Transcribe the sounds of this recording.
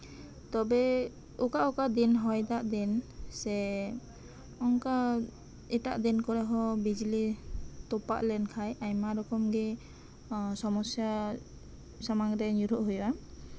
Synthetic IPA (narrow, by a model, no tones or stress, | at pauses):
t̪ɔbɛ | ɔkaʔɔkad̪inɦɔjd̪aʔd̪insɛ | ɔŋka | ɛtaʔd̪inkɔɾɛɦɔbid͡ʒlit̪ɔpa̰ʔlɛnkʰajajmaɾɔkɔmɡɛ | sɔmɔsja | samaŋɾɛɲuɾɔʔɦuja